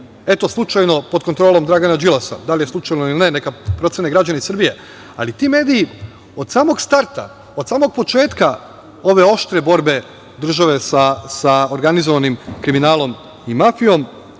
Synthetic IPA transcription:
e̞t̪o̞slˠut͡ʃajno̞po̞d̪̚kont̪ɾoːlˠo̞md̪ɾaɡanad͡ʒilˠasa̰d̪alijeslˠut͡ʃajnoililine̞nekapɾo̞t̪sjeneɡɾad͡ʒaneisɾrbije̞ | a̰lit̪ime̞ːd̪iji | o̞d̪saːmo̞ɡst̪aɾt̪a̰ | od̪saːmo̞ɡ̚po̞t͡ʃe̞ːt̪ka | o̞ʋe̞o̞ʃt̪ɾe̞bo̞ɾbe̞ | d̪r̩ʒaʋe̞sasaoɾɡanizoʋanimkɾiminaːlˠo̞m | imafijo̞m

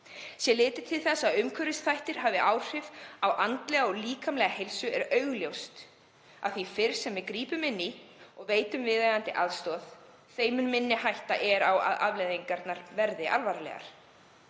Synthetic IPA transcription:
sjɛlɪːt̪ɪ̥t̪ʰɪlθɛsːaðʏmkʰvœɾɪst̪θajht̪ɪɾ̥ɦaːvɪʔawr̥ɪvawʔant̪lɛɣaɔɣliːkamlɛɣahejlsʏɛɾœɥɣljowst̪ | a̰ðθifɪɾ̥sɛmvɪkɾiːpʏmɪnːiɔɣveːjt̪ʏmvɪðajðant̪ɪʔaðst̪ɔːð̥ | θeːjmʏnmɪnːɪɦajht̪a̰ʔɛɾawa̰ða̰ðlejðiŋkaɾt̪naɾvɛɾðɪʔalvaɾalɛ̰ɣa̰ɾ̥

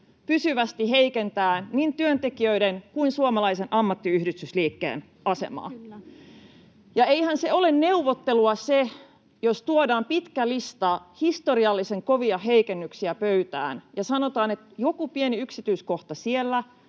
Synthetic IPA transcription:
pysyʋæst̪iɦeikent̪æːnniːnt̪yønt̪ekiøideŋkuinsuomɑlɑisenʔɑmːɑt̪ːiyhdyst̪ysliːkːḛːn | ʔɑsḛmɑ̰ː | jɑeihænseo̞lenneuʋːot̪ːeluɑse | jost̪uodɑːmpit̪kælist̪ɑhist̪oɾiɑlːise̞ŋko̞ʋiɑɦeikenːyksiæpøyt̪æ̰ːnjɑsɑnot̪ɑːnet̪jo̞kupieniyksit̪yːskoht̪ɑsielːæ

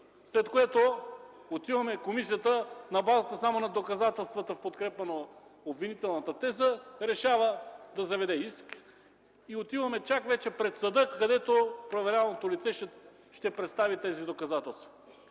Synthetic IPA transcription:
slɛt̪koɛt̪o | ot̪ivɐmɛkomis̬ijət̪ənɐbazət̪əsamonɐd̪okɐzat̪ɛlˠst̪vət̪əfpot̪kɾɛpɐnoobvinit̪ɛlˠnət̪ət̪ɛzəɾɛʃavəd̪ɐzɐvɛd̪ɛisk | iot̪ivɐmɛt͡ʃakvɛt͡ʃɛpɾɛt̪səd̪ɤkːɐd̪ɛt̪opɾovɛɾʲavˠnot̪olit̪sɛʃ | ʃt̪ɛpɾɛt̪st̪avit̪ɛzid̪okɐzat̪ɛlˠst̪vɐ

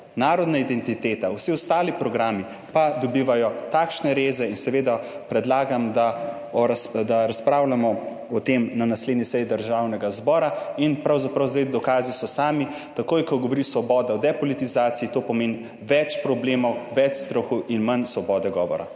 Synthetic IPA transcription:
naːɾɔd̪naid̪ɛnt̪it̪eːt̪awsiɔst̪aːlipɾɔɡɾaːmi | pad̪ɔbiːʋajɔt̪akʃnɛɾeːzɛinsɛʋed̪apɾɛd̪laːɡamd̪a | ɔɾad̪aɾaspɾawlamɔ | ɔt̪emnanasled̪nisɛjid̪əɾʒawnɛɡazbɔːɾainpɾawzapɾawzd̪ajd̪ɔkaːzisɔsaːmi | t̪akoːjkɔɡɔʋɔɾisʋɔbɔːd̪aɔd̪ɛpɔlit̪izaːt̪siit̪oːpɔmeːn | ʋɛt͡ʃpɾɔbleːmɔwʋɛt͡ʃst̪ɾɔxuʔinmansʋɔbɔːd̪ɛɡɔʋɔɾa̰

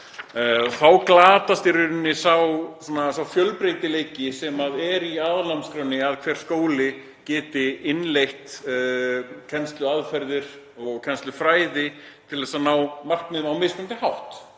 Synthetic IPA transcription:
θawklaːt̪ast̪iɾʏɾnːɪsawsanasawfjœlpɾejt̪ɪleːjcɪsɛmaðɛɾiaːðlamskɾœnːɪaðkʰv̥ɛɾ̥skoːwlɪ | cɛːt̪ɪɪnlejht̪ | cʰɛnst̪lʏaðfɛɾðɪɾ̥ | ɔɣkʰɛnst̪lʏfɾaːjðɪ | t̪ʰɪlɛsanaːwmar̥knɪawmɪsʏmnt̪ɪhawht̪

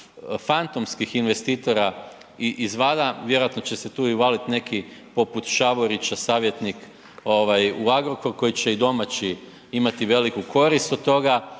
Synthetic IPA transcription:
fant̪o̞mskixinʋe̞st̪iːt̪o̞ɾa | iʔizʋad̪aʋje̞ɾoat̪not͡ɕe̞se̞t̪uːiuʋalit̪ne̞kipo̞put̪ʃaʋo̞ɾit͡ɕasaːʋje̞t̪nik | o̞ʋajuaɡɾoko̞ɾko̞jit͡ɕe̞id̪o̞mat͡ɕi | imat̪iʋe̞likuko̞ɾist̪od̪̚t̪ːo̞ɡa

